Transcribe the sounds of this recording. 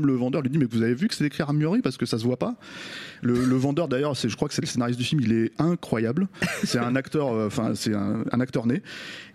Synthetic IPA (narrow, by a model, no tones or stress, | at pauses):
mləvɑ̃d̪œʁlɥid̪imɛkvuzavevykə̥sɛt̪ekχiʁamyʁipaʁsə̥kəsasəvwapa | lələvɑ̃d̪œʁd̪ajœʁsɛʒəkχwakə̥sɛləsenaʁist̪d̪yfilmilɛɛ̃kχwajablsɛt̪ɛ̃nakt̪œʁøɑ̃fɛ̰̃sɛt̪ɛ̰̃ɛ̰̃nak̚t̪œʁne